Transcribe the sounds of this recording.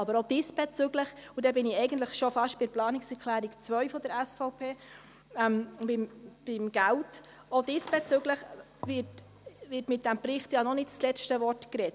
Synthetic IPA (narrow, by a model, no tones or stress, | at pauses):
ɑbəɾod̥ɪsb̥ɛt͡søɡləχudɛbɪnɪɛɪɡən̩tləχʃɔfɑʃtb̥ɪɾplɑːnɪksɛɾkʰlæːɾikt͡svœʏɥfɔd̥̪əɾɛsfɔʊpʰeː | ɛmbɪmb̥ɪmɡ̥ælt | odɪsb̥ɛt͡søɡləχ | vɪt | ʋɪːtmɪt̚d̥æmpɾɪχtjɑnɔnɪtt͡slɛstəvɔrtkɾɛt